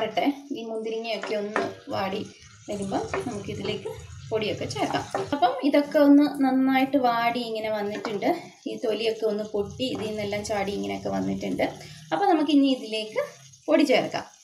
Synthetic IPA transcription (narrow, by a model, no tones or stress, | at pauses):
riʈːeiːmund̪iɾiŋːɐjo̞kːe̞o̞nːɨʋaːɽi | ʋɐɾumboːnɐmukːɨiðile̞ːkːɨpo̞ɽijo̞kːe̞t͡ɕe̞ːrɐkːa̰ːmɐpːɐmiðo̞kːe̞onːɨnɐnːaːjiʈːɨʋaːɽiiŋːɐne̞ʋɐnːiʈːuɳɖɨ | iːt̪o̞lijo̞kːe̞onːɨpoʈːiːðɨinːelːaːmt͡ɕaːɽiiŋːɐnejo̞kːe̞ʋɐnːiʈːuɳɖɨɐpːoːnɐmuk̬ːɨiɲːiiðile̞ːkːɨ | po̞ɽit͡ɕe̞ːrɐkːa̰ːm